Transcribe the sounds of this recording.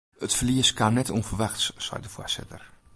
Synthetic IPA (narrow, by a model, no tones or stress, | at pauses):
ətfliəskanɛtʰunvərʋaxtssɛ̰jdəfo̰sɪ̰tər